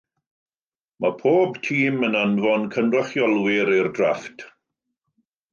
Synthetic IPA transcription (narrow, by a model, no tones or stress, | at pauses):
mapʰoːbtʰiːmənanvɔnkʰənrɔχjɔlˠwɪɾɪrdraftʰ